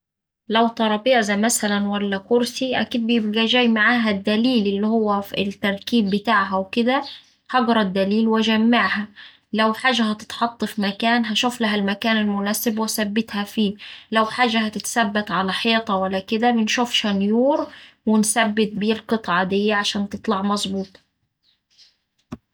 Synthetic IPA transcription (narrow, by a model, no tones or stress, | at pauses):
læwt̪ˤɑɾˤɑbeːʕzæmæsælænwælːækʊɾsiʔæ̰kiːd̪̚bɪjeb̚ɡæʒæːjmaʕaːɦæd̪ːæliːlɪlːihowːæflt̪ːɑɾˤkiːbːɪt̪aːʕɦæwkɪd̪æ | hɑɡɾˤɑd̪ːæliːlwʔæd͡ʒæmːaʕhæ | læwħaːʒːæhæt̪ɪ̥t̪ħɑt̪ˤːɑfmækæːnɦæʃuːflæɦælmækæːnɪlmʊnæːsɪbwæsæbːɪt̪hæfiːlæwħaːʒːæɦæt̪ɪt̪sæbːæt̪ʕalæħeːt̪ˤɑwælːækɪd̪æbɪnʃuːfʃænjuːɾwɪnsæbːɪt̪̚biːlqɨt̪ˤʕɑd̪ejːæʕaʃæːnt̪ɨt̪ˤlɑʕmɑzˤbuːt̪ˤ